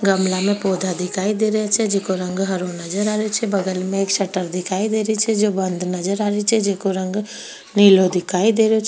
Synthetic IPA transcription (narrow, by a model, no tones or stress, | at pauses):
ɡəmlamẽpɔːd̪ʱad̪ɪkʰaːid̪eːɾɛɦet͡ʃʰɛd͡ʒekoɾə̃ŋɡɦəɾonɐd͡ʒəɾaːɾet͡ʃʰɛbɐɡəlmẽːkʃɐʈəɾd̪ɪkʰaːid̪eːɾit͡ʃʰɛd͡ʒobə̃nd̪ʱnɐd͡ʒəɾaːɾit͡ʃʰɛd͡ʒekoɾə̃ŋɡ | niːlod̪ɪkʰaːid̪eːɾeot͡ʃʰ